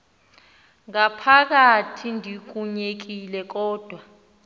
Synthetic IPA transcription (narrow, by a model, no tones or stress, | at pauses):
ŋapʰak̬atʰindʱik̬uɲek̬ilɛk̬ɔːd̥ʱwa